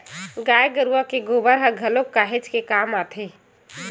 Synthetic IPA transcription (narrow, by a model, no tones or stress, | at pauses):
ɡajɡəɾuəkeɡobəɾɦəɡʱəlokːaɦed͡ʒkekamat̪ʰe